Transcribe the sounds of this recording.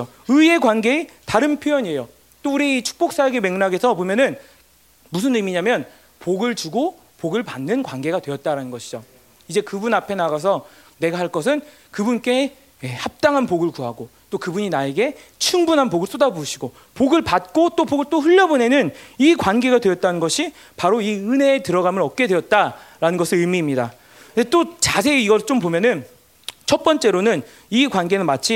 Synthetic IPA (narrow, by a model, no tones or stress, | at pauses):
o | ɯie̞kwanɡe̞ | taɾɯnpʰjojʌɲie̞jo | t͈ouɾiit͡ɕʰu̥k̚p͈ok̚s͈aɡeme̞ŋnaɡe̞sʰʌpomjʌnɯn | mus̬ʰɯnɯmiɲamjʌn | poɡɯɭt͡ɕuɡo | poɡɯɭpanːɯnkwanɡe̞ɡadwe̞ʌt̚t͈aɾanɯnɡʌɕʰi̥d͡ʑo | id͡ʑe̞kɯbunapʰe̞naɡas̬ʰʌ | ne̞ɡahaɭk͈ʌs̬ʰɯn | kɯbunk͈e̞ | ehap̚t͈aŋɦanpoɡɯɭkuɦaɡot͈okɯbuɲinae̞ɡe̞ | t͡ɕʰuŋbunɦanpoɡɯɭs͈odaboɕʰiɡo | poɡɯɭpat̚k͈ot͈opoɡɯɭt͈oɸɯʎːʌbone̞nɯnikwanɡe̞ɡadwe̞jʌt̚t͈anɯnɡʌɕʰi | paɾoiɯne̞ːtɯɾʌɡamɯɾʌt̚k͈e̞dwe̞jʌt̚t͈aɾanɯnɡʌsʰɯɾɯɭmiːmɲida | net͈ot͡ɕasʰe̞iɡʌt͡ɕompomjʌnɯn | t͡ɕʰʌt̚p͈ʌnt͡ɕ͈e̞ɾonɯn | ikwanɡe̞nɯnmat͡ɕʰi